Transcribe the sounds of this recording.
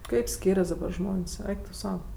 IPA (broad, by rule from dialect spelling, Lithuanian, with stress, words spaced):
ˈkɐɪp ˈsʲkʲiːrʲɛs dɐbɐr ˈʒmoːnʲsʲ ˈɛɪk tʊ ˈsɐʊ